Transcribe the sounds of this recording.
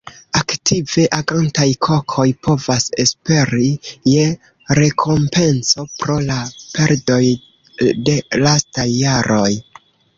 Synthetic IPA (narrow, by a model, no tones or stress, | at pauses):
aktive̞ʔaɡantajkʰo̞kʰo̞jpʰo̞vase̞spe̞ɾije̞ | ɾe̞kʰo̞mpe̞nso̞pɾo̞lape̞ɾdo̞j | de̞lastajːaɾʔo̞j